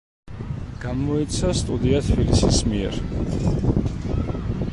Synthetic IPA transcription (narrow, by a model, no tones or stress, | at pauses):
ɡ̥amɔit̪sʰast̪ʼud̪iat̪ʰbilisismiɛ̰ɾ